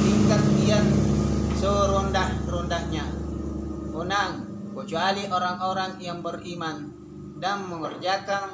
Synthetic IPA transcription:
siŋkat̪̚diansɔɾɔndahrɔndahɲa | ɔnaŋ | kət͡ʃualiʔɔɾaŋoɾaŋjaŋbəriman | daŋməŋɔrd͡ʒaka

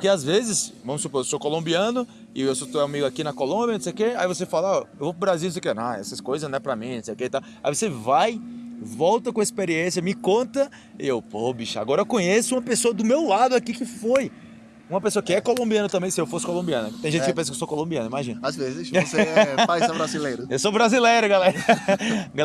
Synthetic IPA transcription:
pʊkeazvezɪsvɐ̃mʊsupoɾewsokolõmbiɐ̃nʊ | ɪewsot̪oamiɡʊakinɐkolõbjɐnõsejʊkea̰ivosefalɐaɔewvopɾʊbɾaziw̪õsejkenãɛ̰sɐskojzɐzñɛpɾamĩnõsejʊkeit̪aw | aivosevajvɔwt̪ɐkõispeɾiẽsjɐmɪkõt̪ɐ | eewpobiʃɐa̰ɡɔɾɐewkõɲesʊũmɐpesoɐd̪ʊmewlad̪ʊakikɪfoj | ũmɐpesoɐkɪɛkolõmbiɐ̃nɐt̪ɐ̃mbẽj̃sɪewfosɪ̥kolõbiɐ̃nɐkt̪ẽj̃ʒẽtɪkpẽsɐkewsokolõbiɐ̃nʊimaʒĩnɐazvezɪssemajsɛbɾazilejɾʊewsobɾazilejɾʊɡalɛɾ | ɡa

